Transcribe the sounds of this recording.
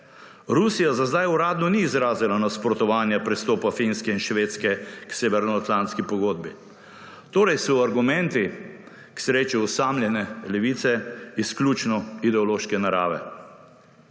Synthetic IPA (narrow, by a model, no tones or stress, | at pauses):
ɾusijazazd̪ajuɾaːd̪nɔniːzɾaːzilanaspɾɔt̪ɔʋaːnjapɾɛst̪oːpafinskɛinʃʋeːt̪skɛkseːʋɛɾnɔat̪lant̪skipɔɡoːd̪̚bi | t̪oːɾɛjsɔaɾɡumɛ̃nt̪i | ksɾeːt͡ʃuːsaːmljɛnɛlɛʋit̪sɛisklʲut͡ʃnɔid̪ɛɔloːʃkɛnaɾa̰ːʋɛ̰